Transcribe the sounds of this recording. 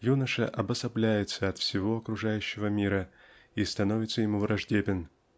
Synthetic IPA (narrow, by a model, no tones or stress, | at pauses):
junəʂəʔɐbəsɐblʲæjɪt̪səɐt̪fsʲɪvo̞ɐkɾʊʐajʉɕːɪvəmʲiɾə | ist̪ɐno̞vʲɪt̪səjɪmuvɾɐʐdʲebʲɪn